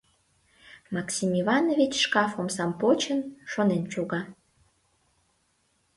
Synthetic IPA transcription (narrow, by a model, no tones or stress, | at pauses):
mɑksʲimivɑnovʲit͡ɕʃkɑfomsɑmpot͡ɕənʃonent͡ɕoɣɑ